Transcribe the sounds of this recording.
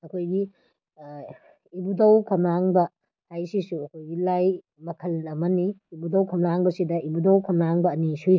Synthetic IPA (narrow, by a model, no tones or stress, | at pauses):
ɐkʰojɡi | ibudɐwkʰɐmɾaŋbɐ | hajsisuɐkʰojɡilaj | mɐkʰɐlɐmɐniibudɐwkʰɐmlɾaŋbɐsidɐibudɐwkʰɐmɾaŋbɐːnisuj